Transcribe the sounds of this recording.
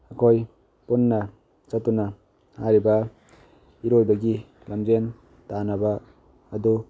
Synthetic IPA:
ɐkʰoj | punːɐ | t͡ʃɐtunɐ | haɾibɐ | iɾojbɐɡi | lɐmd͡ʒen | tanɐbaː | d̪u

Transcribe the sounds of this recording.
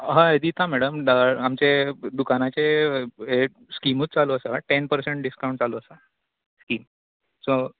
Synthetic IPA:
ɦãed̪iːt̪ʰãmɛɽəmd̪əamt͡ɕed̪ukanat͡seɦe | skimuːt̪̚t͡saloəsaʈenpəɾseɳʈ̚ɖiskaũɳʈ̚t͡saloəsa | skiːm | so

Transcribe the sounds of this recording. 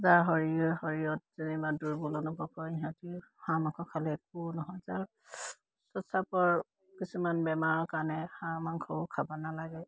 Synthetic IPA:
zaɹɦɔɹiɔhɔɹijɔt̚z̥inibaduɹbɔlɔnɔbɔkɔiɦãtihamaŋkʰɔkʰalɛɛk̚unɔɦɔjzaɹ | sɔsapɔɹ | kisumanbɛmaɹɔkanɛxãmaŋkʰɔkʰabɔnalaɡɛ

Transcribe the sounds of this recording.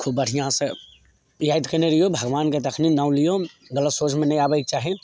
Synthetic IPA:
kʰubːəɽ̤ʱijãse | jaːjt̪kəneɾijobʱɐɡʋaːnket̪ɐkʰninãːw̃lijo | ɡələt̪soːt͡ʃʰmẽnɐj̃aːbəik̚t͡ʃaːɦe

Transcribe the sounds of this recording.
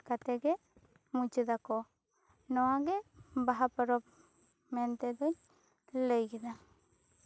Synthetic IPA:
kat̪eɡe | mut͡ʃid̪akɔ | nɔaɡebaɦapɔɾɔp | ment̪ed̪ɔɲ | lejɡid̪a

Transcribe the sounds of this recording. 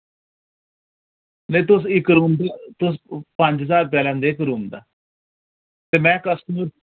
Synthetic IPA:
neːt̪ʊs̬ɪkɾuːmd̪aːt̪ʊs̬pəɲd͡ʒɦəzaːɾp̬ɛːlɛ̃ːnd̪eːɪkɾuːmd̪a̰ː | t̪eːmɛ̃ːkəsʈəməɾ

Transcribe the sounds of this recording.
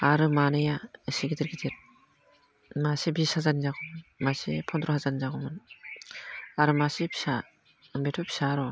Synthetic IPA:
aɾɯmanɯjasiɡitiɾɡidiɾ | masibisazanizakɔmɯnmasipʰɔndɾɔhazanizaɡɔmɯn | aɾɯmasipʰi̥sa | mbetʰɔpʰi̥saɾɔ

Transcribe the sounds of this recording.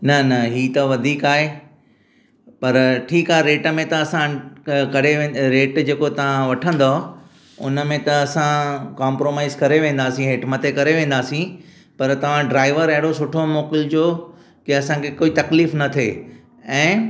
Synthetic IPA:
nɐnɐɦiːt̪ɐʋɐd̪ʱiːkaːɦe | pɐɾʈʰiːkaːɦeɾeːʈəmẽt̪ɐɐsãkɐɾeẽːɾeːʈd͡ʑeːkot̪ɐʋ̤ãʋɐʈʰə̃nd̪oː | ʊnə̆mẽt̪ɐɐsãkaːmpɾoːmaːɪzkɐɾeʋẽːn̆d̪aːsĩɦeːʈmɐt̪ʰekɐɾeʋẽːn̆d̪aːsĩ | pɐɾt̪ɐʋ̤ãɖɾaːɪʋəɾɐɦɪɽosʊʈʰomoːkɪld͡ʑoː | kiɐsãkʰekoːit̪ɐkliːfnɐt̪ʰḛː | ɛ̃ː

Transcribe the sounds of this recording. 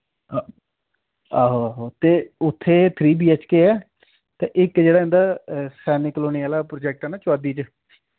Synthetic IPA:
aːɦoːaːɦoːt̪eːʊt̪ʰːeːt̪ʰɾiːbiːɛt͡ʃkeːɛː | t̪ẽːʔɪkd͡ʒeːɽaːɦɪ̃nd̪aːsɛːnɪkloːniaːlaːpɾoːd͡ʒɛːk̚ʈɦɛːnaːt͡ʃʊaːd̪iːt͡ʃ

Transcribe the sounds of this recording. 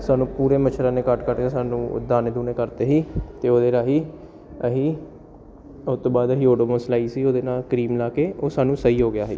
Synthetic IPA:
saːnũːpuːɾeːmət͡ʃʰɾãːneːkəʈkəʈẽːsaːnṵ̃ːd̪aːneːd̪uːneːkəɾt̪eːɦiːt̪eːoːd̪eːɾaːɦiː | əɦiː | ʊt̪ːõːbaːd̪əɦiːoːʈoːməːslaːiːsiːoːd̪eːnaːlkɾiːmlaːkeːoːsaːnũːsəiːɦoːɡɪjaːɦḛː

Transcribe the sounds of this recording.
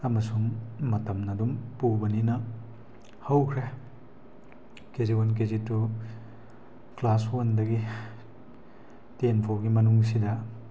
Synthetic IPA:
ɐmɐsuŋmɐtɐmnɐdumpubɐninɐ | hɐwkʰɾe | keziwank̬ezitu | klaswɐndɐɡi | tenpʰoɡimɐnuŋs̬idɐ

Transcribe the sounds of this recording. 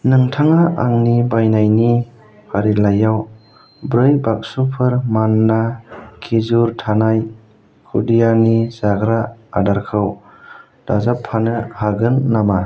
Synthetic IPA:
nɯŋtʰaŋaʔaŋnibajnajni | hʰaɾilajaw | bɾɯjbak̚supʰɯɾmanːakʰizuɾtʰanaj | kʰudijanizaɡɾaadaɾkʰɯw | d̥azapʰːanɯhaɡɯnːama

